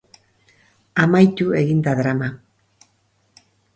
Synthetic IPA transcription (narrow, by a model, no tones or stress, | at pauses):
amajt̪ue̞ɣind̪aðɾama